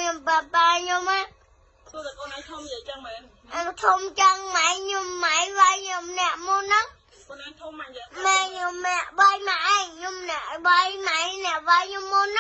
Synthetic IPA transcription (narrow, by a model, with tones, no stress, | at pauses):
ɲo˧mpa˧pa˧ɲo˧ma | u˧t̪a˨koː˧nʔaː˧ŋt̪ʰumjə˨˧t͡ɕa˧ŋma˩j | t̪ʰu˧mt͡ɕa˧ŋma˧jɲo˧mːa˧jʋa˧jɲo˧mnɛ˧əʔmu˧nːɨŋ | ko˧nʔaː˧ŋt̪ʰuma˧ma˧ɲo˧mnɛ˧əʔɓa˧jma˧ʔa˧jɲo˧mːnɛ˩əʔɓa˧jma˧jnɛ̆˧˩əʔʋa˧jɲo˧mːo˧nː